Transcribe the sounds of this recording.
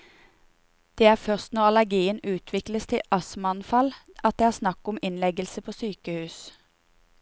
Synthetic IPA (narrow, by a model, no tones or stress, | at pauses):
d̪̥eːæːʁfœʁst̪nɔʁɑlæʁɡiːənʉːt̪ʰʋɪkləst̪ʰɪʔɑsmɑnfɑl | ɑt̪̚d̪eːhæːsnɑkʊmɪnlɛɡəlsəpʰoːsyːkəhʉːs